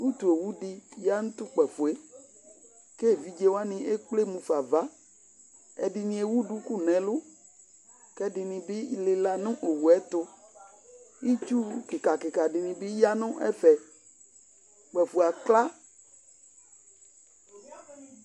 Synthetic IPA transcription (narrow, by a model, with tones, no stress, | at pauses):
wu˦t̪u˨e˨wu˦ɖi˦ja˦ŋũ˦t̪u˦k͡pɛ˨fu˨e˦ | ke˦˨vi˦d͡ʒe˦wa˦nĩ˨ʔe˦k͡ple˦mũ˨fa˨va˦ | ɛ̰˨ɖi˨nĩ˨e˨wu˦ɖu˦ku˦nɛ̃˨lʊ˦ | kɛ˦dɪ˨nĩ˨bɪ˦le˨la˨nʊ̃˦ʔo˨wu˨ɛ˦t̪ʊ˦ | i˦t͡ʃu˦kɪ˨ka˨kɪ˨ka˨ɖɪ˨nĩ˨bi˦ja˦nʊ̃˦ʔɛ̰˦fɛ˨ | k͡pɛ˨fu˨a˨kla˦